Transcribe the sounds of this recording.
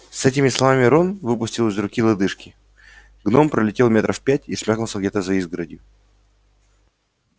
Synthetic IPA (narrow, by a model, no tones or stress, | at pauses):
sɛtʲɪmʲɪslˠɐvamʲɪɾo̞nvɨpʊsʲtʲɪlˠɨzrʊkʲilˠɐd̪ɨʂkʲɪ | ɡno̞mpɾəlʲɪtʲe̞lˠmʲe̞t̪ɾʔəfpʲætʲismʲaknʊlˠsəɡdʲet̪əzɐizɡɾədʲjʊ